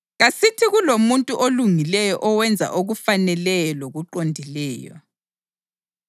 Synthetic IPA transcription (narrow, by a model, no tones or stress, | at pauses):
ɣasitʰiɣulomuntʼuʔoluŋilɛjɔʔɔwɛnd͡zʱa̰ʔoɣufanɛlɛjɔloɣuǃondʱilɛːjɔ̰